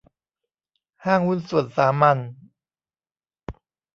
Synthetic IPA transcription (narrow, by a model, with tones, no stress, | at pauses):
haː˥˩ŋwu˥˩˨nsu˨˩ənsaː˩˦ma˧n